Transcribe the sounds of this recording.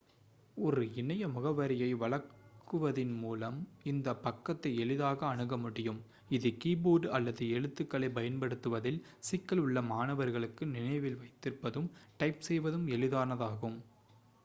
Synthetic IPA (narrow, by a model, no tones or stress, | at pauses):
ɔɾɯɪnɐjɐmʊɣɐʋɐɾɪjɐɪʋɐɭɐɾkːɯʋɐðɪnmuːlɐmɪnd̪ɐpːɐkːɐt̪ːɐɪɛɭɪðaːɣɐːɳɯɣɐmʊɽɪjɯm | ɪðɯkiːboːɖɐlːɐðɯɛɻɯt̪ːɯkːɐɭɐɪpɐjɐnpɐɽɯt̪ːɯʋɐðɪlsɪkːɐɭʊɭːɐmaːnɐʋɐɾɣɐɭɯkːɯnɪnɐɪʋɪlʋɐɪt̪ːɪɾpːɐðɯmʈɐɪpsɛjʋɐðɯmɛɭɪðaːnɐðaːɣɯm